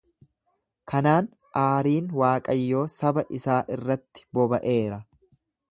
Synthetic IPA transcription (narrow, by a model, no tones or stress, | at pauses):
kʰɐnaːn | ʔaːɾiːnwaːkʼɐjːo̞ːsɐbɐʔɪsaːʔɪrːɐt̪ːɪ̥bɔbɐʔe̞ːɾɐ